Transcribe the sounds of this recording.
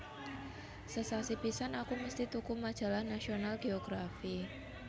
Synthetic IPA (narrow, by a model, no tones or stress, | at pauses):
səsasipisanakuməst̪it̪ukumad̥ʒ̥a̤lahnasionalɡ̥eoɡ̥ɾafi